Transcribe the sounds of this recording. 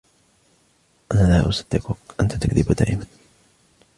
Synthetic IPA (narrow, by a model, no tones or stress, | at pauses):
ʔanaːlaːʔʊsḁd̪ːɪqʊkʔant̪at̪akðɪbd̪a̰ːʔɪman